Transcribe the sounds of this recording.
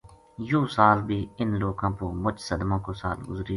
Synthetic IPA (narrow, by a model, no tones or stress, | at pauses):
joːsaːlbʱiːɪnloːkãːpoːmʊt͡ʃsəd̪mãːkoːsa̰ːlɡʊzɾiː